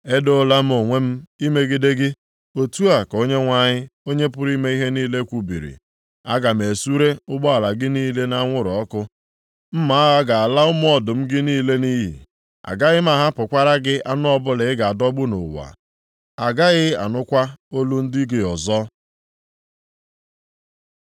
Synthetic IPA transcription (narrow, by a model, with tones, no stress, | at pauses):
e˦do˦la˦m̩˦o˨ŋʷe˦m̩˦i˦me˦ɡɪ˦de˦ɡɪ˦ | o˨tu˦a˨ko˦ɲe˦ŋʷa˦ɲɪ˦o˦ɲe˦pʊ˦ɾi˦me˦i˦ɦe˦niː˦le˦kʷu˨bḭ˨ɾḭ˨ | a˦ɡa˨m̩˨e˨su˦ɾe˦ʊ˦ɡ͡bɔ˦a˨la˨ɡɪ˦niː˦le˦na˦ŋʷʊ˦ɾʊ˨ɔ˦kʊ˦ | m̩˦ma˨˦a˦ɣa˦ɡa˨a˨la˦ʊ˦m˦ɔ˨dʊ˨m̩˦ɡɪ˦niː˦le˦ni˦ɦḭ˨ | a̰˨ɡa˦ɣɪ˦m̩˦a˨ɦa˦pʊ˨kʷa˦ɾa˦ɡɪ˦a̰˦nʊ˦ɔ˦bʊ˦lɪ˨ɪ˦ɡa˨a˨dɔ˦ɡ͡bʊ˦no̰˨wa̰˨ | a˨ɡa˦ɣɪ˦a̰˨nʊ˦kʷa˦o˦lu˦n̩˦dɪ˦ɡɪ˨ɔ˨zɔ˦